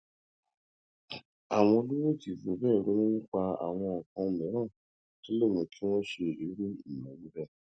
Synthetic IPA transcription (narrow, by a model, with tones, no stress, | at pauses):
a˨w̃ɔ̃˧o˧lu˦wo˦˨ti˨vo˨bɛː˦˨ɾo˨˦õ˦wu˦k͡pa˧a̰˨w̃ɔ̃˧ɔ˨kã˧˨mɛ̃˨˦ɾ̃ã˦˨ | to˦lo˦˨mĩ˨˧ki˦w̃ɔ̃˦ʃe˧˨i˨˦ɾu˦i˨mã˨˦wĩ˦bɛ˦˨